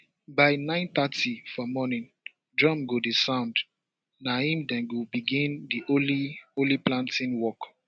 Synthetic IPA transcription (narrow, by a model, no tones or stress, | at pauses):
baɪnãɪ̃nt̪atʰifɔmɔnĩn | dɹɔ̃mɡodisãʊ̃nd | nahĩmdɛ̃nɡobiɡĩndiʔolioliplãntʰĩnwɔk